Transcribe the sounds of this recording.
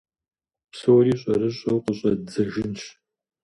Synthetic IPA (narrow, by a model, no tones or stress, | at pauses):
psoːɾiːɕʼɐrɨɕʼɐwqəɕʼɐd͡zɐʒɪnɕ